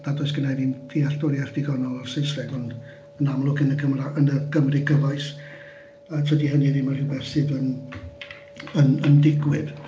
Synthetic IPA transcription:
d̥adɔɨsɡ̥ənaviːnd̥iard̥ɔɾjard̥ɪɡɔnɔlˠɔrsejsrɛɡɔnd | ənamlˠʊkʰənəɡʰəmraənəɡ̥ʰəmrɪɡəvajs | ətʰədihəniðɪmərhɪwbɛrsɨðən | ənəndɪɡwɪð

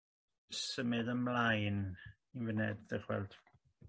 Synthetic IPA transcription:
səmɨðəmlˠajn | invənɛdðəχwɛ̰lˠd̥

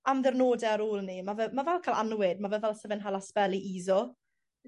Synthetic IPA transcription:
amðɛrnoːdɛaɾuːlˠnimavɛmavɛlˠkʰaːlˠa̰nwɪdmavɛvɛlˠsəvɪnɦalˠaspɛlˠiʔiːzɔ

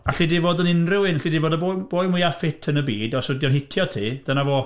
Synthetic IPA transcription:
aɬidivoːdənɪnrɪwɪnɬidivoːdəbob̥oːɨmwɪafɪtʰənəbiːdɔsʊdjɔnɦɪtʰjɔtʰiːd̥ənavoː

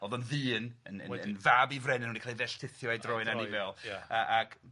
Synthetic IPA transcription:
ɔðɔnðɨːnənə̰ənvaːbivrɛnɪnunikʰalˠivɛɬtʰɪθjɔajdrɔɨnanɪvɛlˠəʔaɡ̥

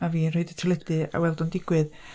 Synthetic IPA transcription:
aviːnroɨdətʰəlˠɛdɨa̰wɛlˠdɔndɪɡwɨð

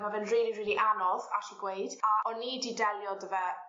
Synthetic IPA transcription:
mavɛnriːliriːlˠiʔanɔða̰ɬiɡweɨd̥aʔɔnːiːdidɛlˠjɔdəvɛ

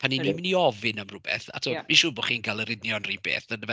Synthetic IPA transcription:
pʰanːinwimɪniɔvɪnamrʊbɛ̰θa̰tʰumiʃuːbɔχiːnɡalˠəɾɪdnjɔnriːbḛːθdənəvɛ

